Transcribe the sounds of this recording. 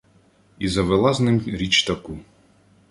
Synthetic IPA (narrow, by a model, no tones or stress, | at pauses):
izɐʋelˠaznɪmɾʲit͡ʃt̪ɐku